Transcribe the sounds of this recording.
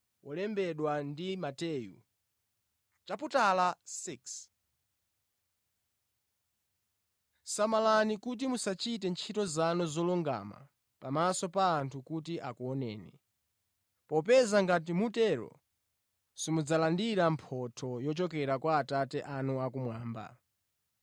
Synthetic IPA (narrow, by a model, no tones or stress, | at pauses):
wʔɔlɛmbɛɗwandimatɛːjṵ | t͡ʃaputalasiks | samalanikut̬imusat͡ʃitɛnt͡ʃʰitɔzanɔzɔluŋɡa̰ma̰ | pamasɔpaːntʰukutiʔakuɔnɛːni | pɔpɛzaŋɡat̬imutɛɾɔ̰ | simud͡zalandiɾampʰɔtʰɔjɔt͡ʃɔkɛɾakwaːtatɛʔanuakumwaːmba̰